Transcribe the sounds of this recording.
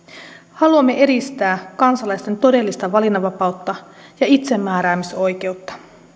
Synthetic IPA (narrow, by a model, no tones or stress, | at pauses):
hɑluɑmːe̞ʔe̞ɾist̪æːkɑnsɑlɑjst̪e̞nt̪o̞de̞lːist̪ɑʋɑlinɑʋɑpɑut̪ːɑ | jɑit̪se̞mːæːɾæːmiso̞jk̟e̞ut̪ːɑ̥